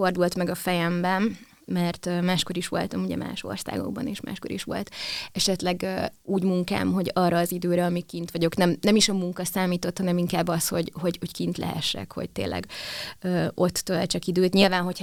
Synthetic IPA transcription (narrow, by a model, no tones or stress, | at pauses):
o̞rd̪ult̪mɛɡɒfɛjɛmbɛn | mɛrt̪ømaːʃkoɾiʃʋo̞̰lt̪ɒmuɟɛ̰mʔa̰ːʃo̞̰rsa̰ːɡo̞̰ɡbɒ̰neːʃmʔa̰ːʃko̞ɾḭʃʋo̞̰lt̪ɛʃɛt̪lɛɡøuːɟmuŋka̰ːmɦo̞ɟɒːrːɒːzid̪øːɾɛɒmikint̪ʋɒɟo̞knɛmnɛmiʃɒmuŋkɒsaːmiːt̪o̞t̪hɒnɛmiŋkaːbːɒsho̞ɟho̞ɟoɟkint̪lʔɛ̰ɦɛ̰ʃːɛ̰kho̞̰ɟ̚t̪ḛːlʔɛ̰ɡøːo̞t̪ːøɛt͡ʃɒkid̪øːt̪ɲilvaːnɦo̞cʰ